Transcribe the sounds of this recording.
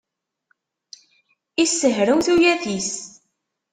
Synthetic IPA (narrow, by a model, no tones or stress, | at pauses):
isːəɦɾəwθujæθis